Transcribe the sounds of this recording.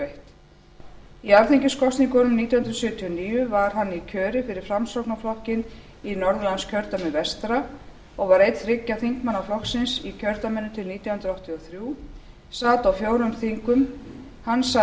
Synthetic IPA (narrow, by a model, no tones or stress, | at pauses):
eht̪ | iaɾθiɲcɪskɔst̪niŋkɔːnʏmniːt̪jahʏnd̪ɾsʏːt̪ʰiɔniːjʏvaɾ̥ɦanːicʰœːɾɪfɪɾɪɾ̥fɾamsɔwknaflɔhcɪn | inɔɾðʏlanscʰœɾt̪amɛnvɛst̪ɾa | ɔɣvaɾejt̪θrɪcːaθiŋkmanːaflɔxksɪnsicʰœɾt̪amɛnːʏt̪ʰɪlniːt̪jahʏnɾɔwht̪iɔθɾjuː | saːt̪awfjoːwɾʏmθiŋkʏm | hanːsa